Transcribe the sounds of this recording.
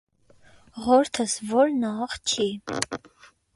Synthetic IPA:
ʁɔɾt̪ʰəsvɔɾnɑχt͡ʃʰi

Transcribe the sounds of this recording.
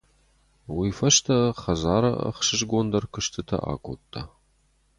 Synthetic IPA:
wiːfɐʃtʰɐχɐzaːɾɐɐ̰χʃɨʒɡʷond̪ɐrkʷʰɨʃtʰɨtʰɐ̰ʔa̰ːkʷʰʼo̰t̪ʼːa̰

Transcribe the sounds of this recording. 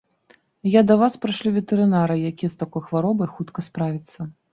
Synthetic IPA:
jad̪ɐvaspɾɨʂlʲivʲɛt̪ɛɾɨnaɾɨjakʲijɛst̪akɔjxvaɾɔbɐjxut̪kɐspɾavʲit̪sːɐ

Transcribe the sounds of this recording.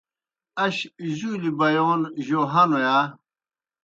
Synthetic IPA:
ɐɕzuːlibɐjoːnʑoɦɐnojaː

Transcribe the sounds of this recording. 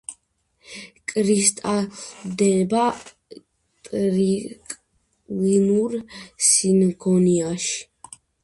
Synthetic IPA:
kʼɾist̪ʼad̪ɛba | t̪ʼɾikʼ | linuɾsinkʰɔniaʃ

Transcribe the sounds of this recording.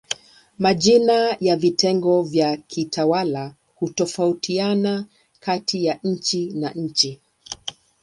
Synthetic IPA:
maʄinajavitʰɛŋɡɔvjakʰitʰawala | hutɔfautʰiana | katijaɲ̩t͡ʃinaɲ̩t͡ʃi

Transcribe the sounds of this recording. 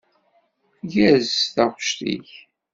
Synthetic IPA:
ʝæzθæʁʃt̪ḭç

